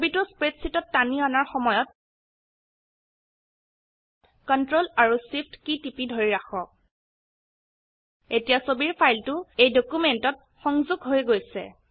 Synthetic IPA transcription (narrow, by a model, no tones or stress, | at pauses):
bitʊspɹetsitɔtːaniɔnaɹxɔmɔjɔt̚ | kɔntɹolaɹusipʰtkitipidʱoɹiɹaxɔk̚ | etijasobiɹpʰajltʊejdokumentɔt̚ | xɔŋzuɡʱɦojɡojsɛ̰